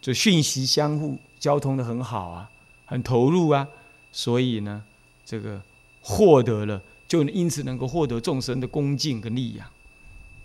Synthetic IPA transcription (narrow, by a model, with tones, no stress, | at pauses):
t͡sə˥˩ɡɕy˥˩nɕi˧˥ɕjɑ˥ŋxu˥˩ | t͡ɕjɑ˥ʊt̪ʰʊ˥ŋd̪ə˨xə˧˦nxɑ˨˩ʊɐ̰˨ | xə˨˩nt̪ʰo˧˥ʊɻu˥˩ɐ˨ | swɔ˧˥i˨˩nə˩ | ʈ͡ʂə˥˩ɡə˩ | xwɔ˥˩t̪ɤ˧˥lə˧ | t͡ɕjo˥˩ʊ˧˦i˦˥nt͡sʰɹ̩˨˩nə˧˥ŋko˥˧ʊxwɔ˥˩t̪ɤ˧˥ʊt͡sʊ˥˩ŋʂə˥nd̪ə˨kʊ˥ŋt͡ɕi˥˨˩nkə˦˥nli˥˧˩ja̰˥˨˩